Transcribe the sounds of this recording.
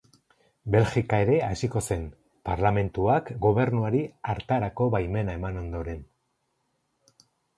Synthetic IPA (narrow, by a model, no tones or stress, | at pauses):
be̞lxikae̞ɾe̞asiko̞se̞n | paɾlame̞nt̪uakɡo̞β̞e̞ɾnuaɾiaɾt̪aɾako̞βajme̞nae̞mano̞nd̪o̞ɾe̞n